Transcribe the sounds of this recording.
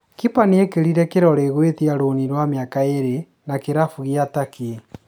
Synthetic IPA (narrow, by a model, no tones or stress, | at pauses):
kipaneekeɾiɾɛkeɾɔɾeːɣwetiaɾoniɾwameakaeɾe | nakeɾafuɣiatakee